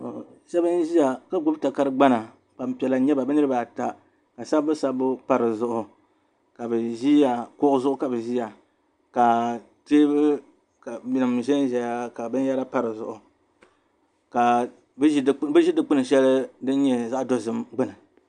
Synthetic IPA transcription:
ʃa˦bɨ˦n˦ʒi˦ja˨ka˦ɡʊ˦bta˨ka˦ɾɨ˦ɡ͡ba˦na˨ | ba˨mpi˨ɛ˨la˨˦ɲɛ˦ba˨bɨ˦nɨ˦ɾɨ˦ba˨ta˨ | ka˨sa˦bbɨ˦sa˦bʊ˦pa˨ɾɨ˨zʊ˦ʔʊ˨ | ka˨bɛ˨ʒi˦ja˨kʊ˦ʊ˦zʊ˦ʔʊ˦ka˨bɛ˨ʒi˦ja˨ | ka˨ | teː˦bɨ˦ | ka˨mi˨nɨ˨mʒɛ˦n˦ʒɛ˨ja˦ka˨bɨ˦n˦ja˦ɾa˦pa˦ɾɨ˨zʊ˨ʔʊ˨ | ka˨ | bbɨ˦ʒi˦dɨ˨k͡pɨ˦nɨ˨ʃɛ˦lɨ˦dɨ˦n˦ɲɛ˦za˦ʔdo˦zɨ˦mɡ͡bɨ˦nɨ˨

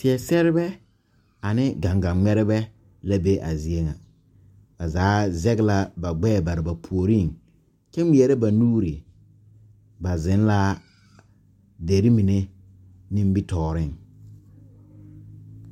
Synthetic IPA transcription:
tɪ˨ɛ˨sɛ˦ɾɪ˦bɛ˦ | a˨nɪ˦ɡa˨ŋɡa˨mɛ˦ɾɪ˦bɛ˦ | la˦be˦ʔa̰˨zi˦e˦ŋa˨ | ba˨zaː˨˦zɛ˦ɡla˦ba˨ɡ͡bɛː˦˨ba˨ɾɪ˨ba˨pʰu˨o˨ɾi˦˨ŋ | t͡ʃɛ˦m˨ɛ˨ɾɛ˦ba˨nuː˦ɾi˨ | ba˨zɪ˨˦n˦la˦ | de˨ɾi˦mi˨ne˦ | nɪ˦m˦bi˦tɔː˨ɾɪ˦˨ŋ

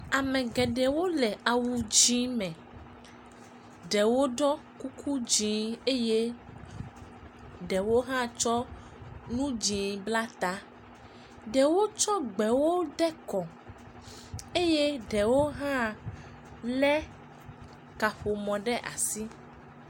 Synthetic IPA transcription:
a˨mɛ̃˨ɡɛ˨ɖɛ˨wo˦lɛ˨a˨wu˨d͡ʒĩ˦mɛ̃˨ | ɖɛ˨wo˦ɖɔ˦ku˦kʰu˦d͡ʒĩ˦e˦je˦ | ɖɛ˨wo˦ɦã˦t͡ʃɔ˦ | nũ˦d͡ʒĩ˨bla˦t̪a˦ | ɖɛ˨wo˦t͡ʃɔ˦ɡ͡bɛ˨wo˦ɖɛ˦kɔ˨ | e˦je˦ɖɛ˨wo˦ɦã˦ | lɛ˦ | ka˨ɸo˨mɔ̃˨ɖɛ˦ʔa̰˨si˦

